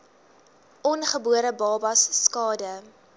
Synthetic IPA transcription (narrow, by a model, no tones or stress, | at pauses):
ʔɔnχəbuəɾəbɑːbɐsːkɑːdə